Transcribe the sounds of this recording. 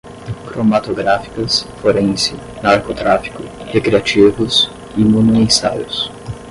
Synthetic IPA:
kɾomat̪oɡɾafi̥kɐsfoɾẽj̃sɪ | naɾkot̪ɾafi̥kʊhekɾiat͡ʃivʊs | imũnuẽsa̰jʊ̰s

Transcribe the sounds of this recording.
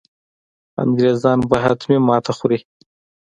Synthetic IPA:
a̰nɡɾezɑːnbəɦat̪mimɑt̪ʰaxuɾi

